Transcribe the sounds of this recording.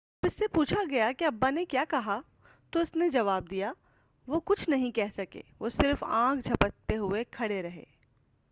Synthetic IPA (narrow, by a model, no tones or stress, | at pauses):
pɪsːepuːt͡ʃʰaɡɐjakiɐbːanekjaːkɐɦa | t̪oʊsned͡ʒɐʋaːb̚d̪ija | ʋokʊt͡ʃʰnɐɦĩkɛɦsɐkḛːʋoːsɪɾfãːkʰd͡ʒʱɐpət̪ːeɦʊekʰɐɽeɾɐɦḛː